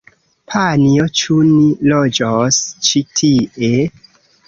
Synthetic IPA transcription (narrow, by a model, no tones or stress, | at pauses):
pʰaniot͡ʃunilod͡ʒost͡ʃitʰiʔe